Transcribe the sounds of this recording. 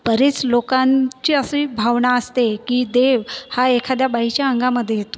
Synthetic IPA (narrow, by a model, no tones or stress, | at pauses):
pəɾet͡slokãɲt͡ɕiːəsibʱaʋɳaəst̪ekiːd̪eʋhaekʰad̪jabaɦit͡ɕjaəŋɡaməd̪ʱjeɦet̪o̥